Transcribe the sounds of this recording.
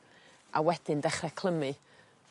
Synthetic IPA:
ʔa̰wɛd̥ɪndɛχrɛkʰlˠəmɨ

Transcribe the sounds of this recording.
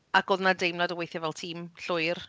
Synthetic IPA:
akoːðnadejmnladəwejθjɛvɛlˠtʰiːmɬʊjr

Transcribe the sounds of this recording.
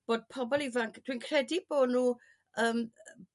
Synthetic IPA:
b̥oːd̥̚pʰɔbɔlˠivaŋkʰd̥winkʰr̥ɛdiboːdnuː | əːm

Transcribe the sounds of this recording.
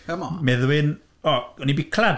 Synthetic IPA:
ɛmɔmɛðwɪn | ɔɔnibɪkʰlad

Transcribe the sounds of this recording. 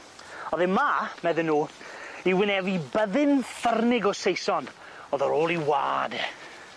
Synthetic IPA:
ɔðɪmamɛðɪnːuː | iwɪnɛvibəðɨnfərnɪɡɔsejsɔn | ɔːðɔɾoːlˠiwa̰ːdɛ

